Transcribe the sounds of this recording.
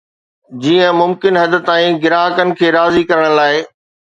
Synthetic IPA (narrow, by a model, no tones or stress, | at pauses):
d͡ʑiːə̃mʊmkɪnɦɐd̪̆t̪ãːĩɡɪɾaːɦəkənɪ̆kʰeːɾaːzikɐɾəɽ̃laːɪ